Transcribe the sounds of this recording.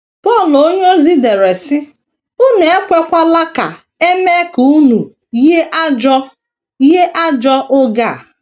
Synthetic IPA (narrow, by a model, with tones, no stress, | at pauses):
pɔ˦˨lo˦ɲ˦o˦zi˦de˨ɾe˨sɪ˦ | ʊ˦ne˨e˦kʷe˦kʷa˦la˦ka̰˨ | e˦me˦ku˨u˦nu˨ | je˦ʔa˦d͡ʒɔ˦ | je˦ʔa˦d͡ʒɔ˦ʔʊ˦ɡa˦˨